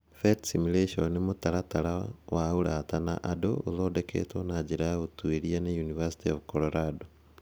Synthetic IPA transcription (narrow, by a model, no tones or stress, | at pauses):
fetsimuleʃonimotaɾataɾawauɾatana̰ʔado̰oðoːdekʰḛtonaɟiɾaotweɾianejunivasi̥tiovkoɾoɾado